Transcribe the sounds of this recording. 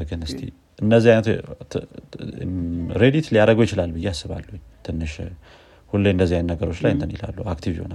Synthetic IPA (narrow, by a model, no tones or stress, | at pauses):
ɾɡɨnɨst̪ʰḭ | ʔɨnd̪əzːihajnət̪ | ɾe̞d̪it̪lijaɾəɡojɪt͡ʃɪlalbɨjːɛasːɨβa̰lːuɲ | t̪ʰɨnːɨʃ | hulːeɨnd̪əzːijanːəɡəɾo̞t͡ʃːlajɨnt̪ənila̰lːuakt̪ʰivjiho̞na